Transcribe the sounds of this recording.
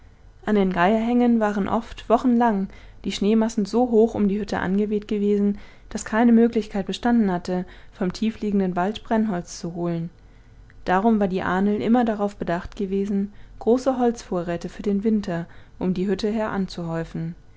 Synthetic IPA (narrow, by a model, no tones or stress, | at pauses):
ʔandeːnɡaɪɐɦɛŋənvaːʁ̞ənʔɔ̰ftv̥ɔχn̩laŋ | d̥iːʃneːmasn̩zoːɦoːxʊ̰mdiːhʏtʰə̰ʔa̰nɡəveːtɡ̥əveːzn̩ | d̥askʰaɪnəmøːklɪçkʰaɪt̚b̥əʃtandn̩hatə | fɔmtʰiːfliːɡŋ̩dənvaltb̥ʁɛnɦɔlt͡st͡suɦoːlən | d̥aːʁ̞ʊmvaːɐdiːʔaːnəl̩ʔɪmɐdaʁaʊfb̥ədaχtɡ̥əveːzn̩ɡ̥ʁoːsəɦɔlt͡sfoːɐʁɛːtəfyːɐdeːnvɪntʰɐʔʊmdiːɦʏtəɦɛɐʔant͡suɦɔʏfn̩